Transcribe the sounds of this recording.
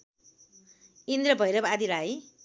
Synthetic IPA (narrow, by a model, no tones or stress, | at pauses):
ind̪ɾʌbʱʌjɾʌbad̪iɾaj